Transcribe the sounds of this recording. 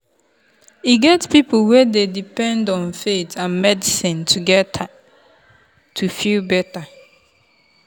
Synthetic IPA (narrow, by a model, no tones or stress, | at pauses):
iɡɛtpipwɛdedipɛ̃ndɔ̃nfetʰãnmɛdisĩntʰuɡɛtʰa | tʰufilbɛta